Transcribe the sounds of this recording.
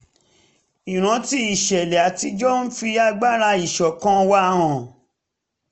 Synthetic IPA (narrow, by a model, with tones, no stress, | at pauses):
i˨ɾ̃ã˨˦ti˧˦i˨ʃɛ˨lɛ˨a˨ti˧d͡ʒɔ˦n̩˦fi˧a˧ɡ͡ba˦ɾa˧i˨ʃɔ˨kã˧wa˦ɾ̃ã˨